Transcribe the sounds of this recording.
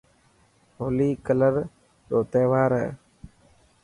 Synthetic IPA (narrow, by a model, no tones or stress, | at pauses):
ɦoːliːkələɾ | ɗoːt̪eːʋaːɾ̰